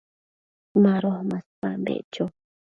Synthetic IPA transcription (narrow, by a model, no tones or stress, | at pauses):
mãɾohmãspambḛʔt͡ʃo